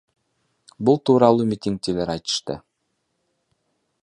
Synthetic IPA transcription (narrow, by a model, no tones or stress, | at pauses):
bulˠt̪uɾɑlˠumʲit̪ʲiŋk̚t̪ilæɾɑjt̪ɤ̥̆ʃt̪ɤ̰